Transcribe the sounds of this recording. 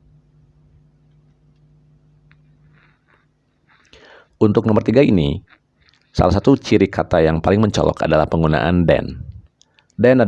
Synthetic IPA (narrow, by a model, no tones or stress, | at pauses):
unt̪ʊk̚nɔmbərt̪iɡaini | sa̰lasat̪ut͡ʃiɾikat̪ajaŋpalɪŋməɲt͡ʃɔ̰lɔ̰ka̰dalahpəŋɡuna̰ʔandɛ̰n | dɛna